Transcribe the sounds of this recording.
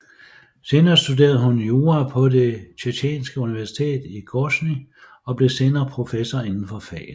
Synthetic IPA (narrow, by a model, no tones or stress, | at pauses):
se̝ːnɐːsd̥ud̥e̝̰ːɐðˠɦunjo̝ːʁæpʰɒ̽de̝t͡ɕʰeɕʰɛ̰ːnsɡ̥əuniʋæɐsi̥t͡sʰe̝̰ːd̥iɡ̥ɔsni | ɒ̽b̥le̝se̝ːnɐːpʰʁo̝fesɐe̝nn̩fɒ̽fɛ̰ːl